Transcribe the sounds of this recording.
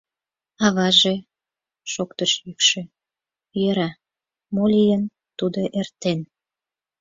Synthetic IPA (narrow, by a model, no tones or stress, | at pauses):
ɑβɑʒe | ʃokt̪əʃjykʃĕ | jøɾɑ | molʲijən | t̪ud̪oʔert̪en